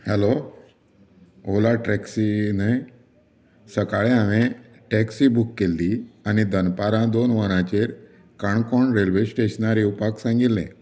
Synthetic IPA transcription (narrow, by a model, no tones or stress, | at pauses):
hɛlo | olaʈɾɛksinaj | səkaɭẽaʋẽ | ʈɛksibukːelːiañid̪ənpaɾãd̪onʋəñãt͡ɕeɾ | kaɳkɔɳɾelʋesʈeɕnaɾeupaksãŋɡilːḛ̃